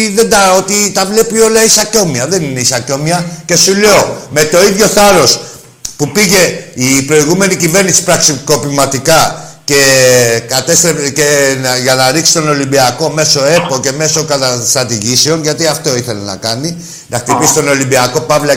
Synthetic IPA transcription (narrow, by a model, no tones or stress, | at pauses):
ðe̞nd̪ɐo̞t̪it̪ɐvle̞pio̞lɐisɐco̞miɐðe̞nineisɐco̞miɐce̞sule̞o̞me̞t̪o̞iðʝo̞θɐɾo̞s | pupiʝe̞ipɾo̞iɣume̞nicive̞ɾnisi̥pɾɐksiko̞pimɐt̪ikɐ | ce̞kɐt̪e̞st̪ɾepceʝɐnɐɾiksi̥t̪o̞no̞limbiɐko̞me̞so̞e̞po̞ce̞me̞so̞kɐt̪ɐst̪ɾɐt̪iʝiseo̞nʝɐt̪iɐft̪o̞iθe̞le̞nɐ̰kɐni | nɐxt̪ipisi̥t̪o̞no̞limbiɐko̞pɐvlɐ